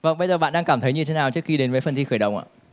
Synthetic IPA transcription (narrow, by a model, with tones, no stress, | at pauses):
və̰˧˩ŋ͡mɓə˧jzə˨˩a̰ː˧˨nɗaː˧kaː˧˩mt̪ʰə˨˦jɲɨ˧t̪ʰe˨˦naː˨˩wt͡ɕɨ˦˥əkxi˧ɗe˨˦nvəː˨˦jfə˨˩nt̪ʰi˧xəː˧˩jɗə̰˧˨wŋ͡mʔa̰ː˧˨˩